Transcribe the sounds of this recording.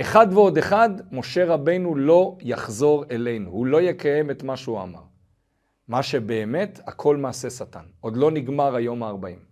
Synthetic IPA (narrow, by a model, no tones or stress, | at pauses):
ʔe̞χadveo̞de̞χad̪mo̞ʃe̞ʁabe̞jnulo̞jaχzo̞ʁe̞le̞jnuhulo̞je̞kʰaje̞metmaʃeua̰ma̰ʁ | maʃe̞be̞ːme̞thakʰo̞lmaːse̞sata̰no̞d̪lo̞niɡmaʁajo̞maːʁbaim